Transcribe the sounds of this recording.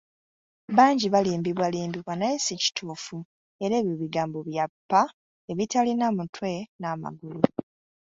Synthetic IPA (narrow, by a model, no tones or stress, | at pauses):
βaːɲɟiβaliːmbiβwaliːmbiβwanaesici̥tʰuːfu | e̞ɾe̞ːβjoβiɡaːmbo̞βjapːa | eβitalinamutwe̞nama̰ɡulu